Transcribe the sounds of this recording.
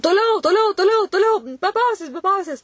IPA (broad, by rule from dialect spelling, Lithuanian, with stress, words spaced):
toːˈlʲɛʊ toːˈlʲɛʊ toːˈlʲɛʊ toːˈlʲɛʊ bʲɛ ˈpɐʊzʲeːs bʲɛ ˈpɐʊzʲeːs